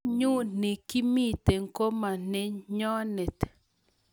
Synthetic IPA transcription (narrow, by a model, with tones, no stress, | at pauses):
ɲu˦n̥ĩ˨ki˦mĩ˦˨t̪e˨ŋ˦ko˦ma˨n̥ɛ˦ɲɔ˦nɛ˨t̪